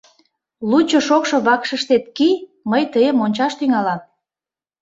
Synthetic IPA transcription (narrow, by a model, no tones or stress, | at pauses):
lut͡ɕoʃokʃoβɑkʃəʃt̪et̪̚ki | məjt̪əjəmonʲt͡ɕɑʃt̪yŋɑlɑm